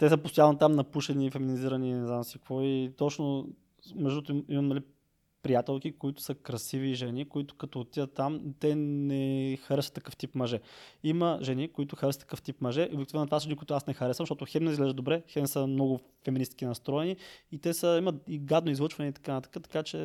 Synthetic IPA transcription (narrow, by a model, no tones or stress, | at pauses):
t̪ɛs̬əpost̪ojanot̪amnɐpuʃɛnifɛminiziɾɐninɛznamsikvɔit̪ɔt͡ʃno | mɛʒd̪ut̪imɐmnɐli | pɾijat̪ɛlˠkikoit̪ʊ̥səkɾɐsiviʒɛnikoit̪ʊ̥kɐt̪oːt̪ijət̪ːamt̪ɛnɛxɐɾɛsət̪ːɐkɤft̪ipmɐʒɛiməʒɛnikoit̪ʊxɐɾɛsət̪ɐ̥kɤəft̪ipmɐʒɛʔobɛkt̪ivnt̪ovasɐʒɛnikoʊit̪ʊasnɛxɐɾɛsvəmʃt̪ɔt̪ʊxɛmnizɡlɛʒd̪obɾɛxɛmsəmnɔɡʊ | fɛminist̪kʲinɐst̪ɾɔɛniit̪ɛsəimət̪iɡad̪noizlˠət͡ʃvɐnɛit̪ɐ̥kanɐt̪ḁkat̪ɐ̥kat͡ʃɛ